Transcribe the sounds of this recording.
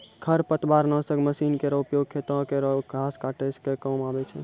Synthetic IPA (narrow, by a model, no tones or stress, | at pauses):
kʰəɾpət̪baɾnəsəɡməsinkeɾəupjoɡ̚kʰet̪ə̃keɾəɡʱaskaʈeskekəmabɛt͡ʃʰɛ